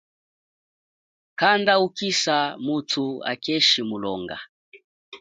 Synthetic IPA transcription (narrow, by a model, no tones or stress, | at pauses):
kandaukisamutʰua̰kɛʃimulɔŋɡa̰